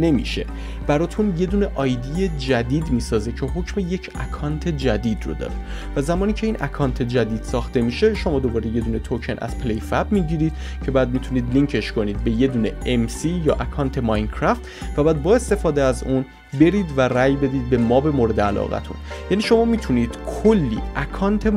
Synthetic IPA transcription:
ne̞mḭːʃe̞̰ | b̥æɾɒːt̪ʰunje̞d̪uːne̞ʔɒːjd̪ijed͡ʒæd̪iːd̪miːsɒːze̞cʰe̞ɦocʰmeje̞cʰækʰɒːnt̪ʰe̞d͡ʒæd̪iːd̪rod̪ɒ̰ːɾe | væzæmɒːniːcʰe̞iːnʔæ̰kʰɒːnt̪ʰe̞d͡ʒæd̪iːd̪̥sɒːxt̪e̞miːʃe̞ʃo̞mɒːd̪o̞bɒːɾe̞jed̪uːne̞t̪ʰocʰenʔæ̰z̥pʰlejfæbmiːd̪iɾiːd̪̥̚ | cʰe̞bɒæd̪mit̪ʰuniːd̪liŋcʰe̞ʃkʰo̞niːd̪̚be̞je̞d̪uːneʔemsiːjɒ̰ːʔækʰɒːnt̪ʰe̞mɒjnd̥̪̚kʰɾæft̪ | væbæːd̪̚bɒːe̞st̪e̞fɒːd̪eæzuːn | be̞ɾiːd̪væræjbe̞d̪iːd̪̚be̞mɒːbe̞moɾe̞d̪eælɒ̰ːɣæ̰t̪ʰṵnjæniːʃo̞mɒːmiːt̪ʰuniːd̪̥kʰolːḭːʔækʰɒːnt̪ʰe

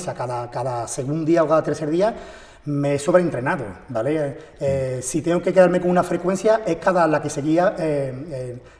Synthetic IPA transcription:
sakaðakaðase̞ɣund̪iaokaðat̪e̞ɾθe̞ɾðia | meeso̞βɾent̪ɾe̞naðo̰bale | esit̪e̞ŋoke̞ke̞ðaɾme̞koŋunafɾe̞kwe̞n̟θjaʔe̞hkaðalake̞se̞ɣiae

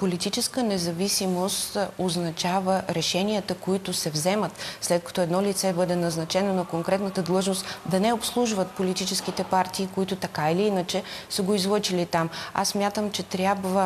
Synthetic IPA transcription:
polit̪it͡ʃɛskənɛzɐvisimost̪oznɐt͡ʃavəɾɛʃɛniət̪əkoit̪ʊsɛvzɛmət̪slɛt̪̚kɐ̥t̪ɔɛd̪nɔlit̪sɛbɤd̪ɛnɐznɐt͡ʃɛnonɐkoŋkɾɛt̪nət̪əd̪lˠɤʒnost̪d̪ɐnɛopslˠuʒvət̪polit̪it͡ʃɛsk̟it̪ɛpaɾt̪iːkoit̪ʊt̪ɐkailiinət͡ʃɛsəɡoizlˠɤt͡ʃilit̪ama̰sːmʲjat̪əmt͡ʃɛt̪ɾʲjabvə

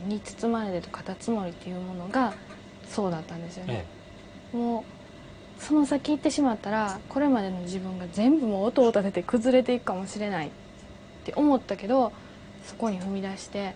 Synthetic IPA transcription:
ɲ̟it͡sɨ̥t͡sɨmaɾed̪et̪okḁt̪at͡sɨmo̞ɾʲit̪ːe̞jɯ̟mo̞no̞ɡa | so̞ːd̪at̪ːãnd̪e̞sɨjo̞ne | mo̞ː | so̞no̞sakʲiːt̪ːe̞ɕimat̪ːaɾako̞ɾe̞mad̪e̞no̞ʑibɯ̟̃ŋɡazẽ̞mbɯ̟mo̞ːt̪o̞ːt̪at̪e̞t̪e̞kɯ̟zɨɾe̞t̪̬e̞ikɯ̟̥kamo̞ɕiɾe̞nai | t̪ːe̞ʔo̞mo̞t̪ːake̞d̪o̞ | so̞ko̞ɲ̟iɸɯ̟mʲid̪aɕi̥t̪e̞

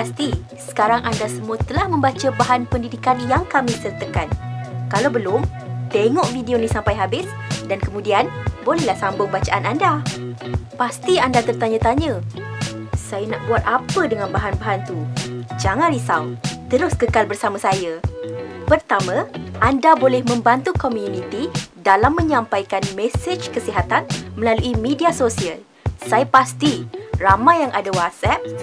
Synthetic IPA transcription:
past̪i | sə̥kaɾaŋʔandasəmuat̪əlahmə̃mbat͡ʃəbaɦanpəndidikanjaŋkamĩsərt̪əkankalawbəlʊm | t̪eŋɔʔfidionisampajɦabɪs | dankəmũdianbolɛhlahsambʊŋbat͡ʃaʔananda | past̪iandat̪ərt̪aɲat̪aɲə | sajanaʔbuat̪̚apədəŋanbaɦanbaɦant̪ud͡ʒaŋãnɾisawt̪əɾʊskəkalbərsamãsaja | pərt̪amãʔandabolɛhmə̃mbant̪ukomjunĩt̪idalamːə̃ɲãmpajkanmɛsed͡ʒkəsiɦat̪anmə̃laluʔimediasosiəl | sajəpast̪iramajaŋʔadawat̪sɛp̚

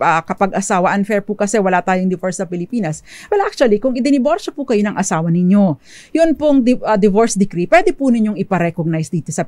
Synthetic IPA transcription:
ɐkɐpɐɡʔɐsaːwɐʔɐnfɛɹpʊkɐsɛwɐlat̪aːjoŋd̪ɪvoɹsːɐpɪlɪpiːnɐswɛlʔak̚t͡ʃuɐlikʊŋɪd̪ɪnɪboɾsopʊkɐjonɐŋʔɐsaːwɐnɪɲːo̞ | jʊnpoŋd̪ɪɐd̪ɪvoɹsd̪ɪkɾipwɛd̪ɛpunɪɲjo̞ŋɪpɐɾɛkoɡ̚najsd̪iːt̪o̞sɐ

